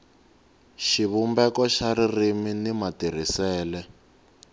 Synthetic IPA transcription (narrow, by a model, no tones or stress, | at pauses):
ʃiβumbɛkɔʃaririminimatir̤isɛːlɛ